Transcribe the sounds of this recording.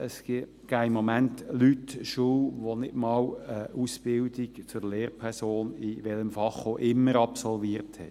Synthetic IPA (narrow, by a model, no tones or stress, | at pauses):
əsɡ̥i | kʰæɪmɔmæntlytʃuːʋonɪdmɑːwəʔusb̥ɪldikt͡sʊɾleːɾpʰɛʁsoːniʋɛləmfɑχoʔɪmːəɾɑpsɔlviəɾthɛ̰